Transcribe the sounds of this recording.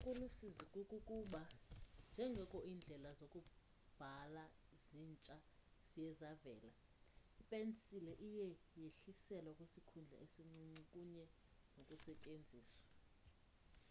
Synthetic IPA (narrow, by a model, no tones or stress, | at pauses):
kʼulusizikʼukʼukʼuɓand͡ʒʱɛŋɡʱɛkʼoʔiːnd͡ɮʱɛlazokʼu | b̥ʱala | ziːnt͡ʃʼaz̥ijɛzavɛ̰ːla | ipʼent͡sʼilɛʔijɛjeɬisɛlwakʼwesikʰund͡ɮʱa̰ʔesiŋ͡ǀiŋ͡ǀikʼuɲɛ | nokʼusɛcʼend͡zʱiːswḁ